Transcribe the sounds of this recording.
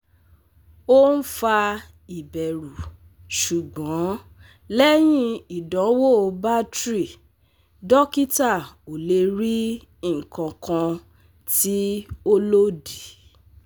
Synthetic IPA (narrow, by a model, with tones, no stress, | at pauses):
o˦n̩˦fa˧ | i˨bɛ˨ɾu˨ | ʃu˨ɡ͡bɔ̃˨˦ | lɛ˦j̃ĩ˦i˨dɔ̃˨˦wo˦˨˧ba˦tɾi˦˨ | dɔ˦ki˦ta˦˨o˨le˧ɾi˦˨ | kã˧kã˧ | ti˦o˦lo˦di˨